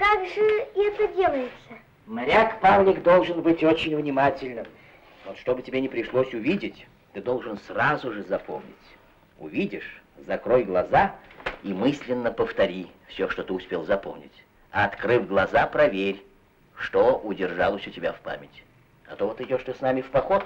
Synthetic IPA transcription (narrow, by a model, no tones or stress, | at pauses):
kaɡʐɨɛt̪ədʲelˠəjɪt̪sə | mɾʲakpamlʲɪkd̪o̞lˠʐɨnbɨtʲot͡ɕɪnʲvnʲɪmatʲɪlʲnɨm | vot̪ʂt̪o̞bɨtʲɪbʲenʲɪpɾʲɪʂlˠosʲʊvʲidʲɪtʲ | t̪ɨd̪o̞lˠʐɨnsrazʊʐɨzɐpʰomnʲɪ̰tʲ | ʊvʲidʲɪʂzɐkɾojɡlˠɐzaimɨsʲlʲɪnːəpəft̪ɐɾʲifsʲoʂt̪ot̪ɨʊspʲelˠzɐpo̰mnʲɪ̰tʲ | ɐɐt̪kɾɨfɡlˠɐzapɾɐvʲeɾʲ | ʂt̪oʔʊdʲɪrʐalˠəsʲʊtʲɪbʲafpa̰mʲɪtʲ | ɐ̰t̪ovot̪ɨɪdʲoʂt̪osnamʲɪfpɐxot̪